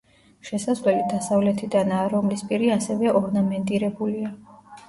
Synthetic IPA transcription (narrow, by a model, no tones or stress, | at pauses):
ʃɛsasvlɛlid̪asavlɛt̪ʰid̪anaːɾɔmlispʼiɾiasɛvɛʔɔɾnamɛnt̪ʼiɾɛbulia